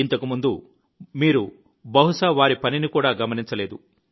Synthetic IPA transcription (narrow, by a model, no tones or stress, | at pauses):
int̪ɐkumund̪u | miːɾu | bɐɦuʂɐʋaːɾipɐninikuːɽaːɡɐmɐniɲt͡ʃɐle̞ːd̪u